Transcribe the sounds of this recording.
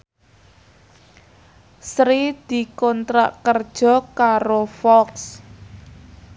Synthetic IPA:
sɾid̪̥i̤kɔnt̪ɾa̰ʔkərd̥ʒ̥ɔ̤kaɾofɔks

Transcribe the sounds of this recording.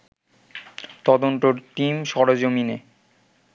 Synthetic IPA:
t̪ɔd̪ont̪oɾt̪imʃɔɾod͡ʑomine

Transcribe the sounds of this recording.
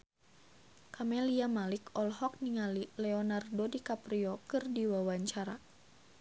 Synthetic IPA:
kamɛliamalikɔlhɔk̚niŋalilɛɔnardodikapɾiɔkɨrdiwawaɲt͡ʃaɾa

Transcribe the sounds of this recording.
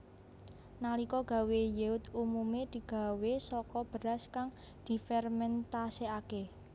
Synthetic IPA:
nalikɔɡ̥a̤wejeʊt̪umumed̪̥i̤ɡ̥a̤wesɔkɔb̥ə̤ɾaskaŋ | d̪̥i̤fɛrmɛnt̪aseake

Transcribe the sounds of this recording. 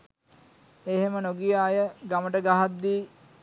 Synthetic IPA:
eɦemənoɡijaːjəɡaməʈəɡaɦad̪ːiː

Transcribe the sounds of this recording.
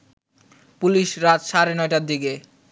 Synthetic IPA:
puliʃɾat̪ʃaɾenɔeʈaɾd̪ike

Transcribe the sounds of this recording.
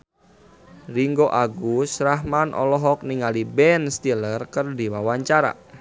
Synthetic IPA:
riŋɡoʔaɡusɾaɦmanʔɔ̰lɔɦɔk̚niŋalibɛnst̪ilərkərdiwawaɲt͡ʃaɾa̰

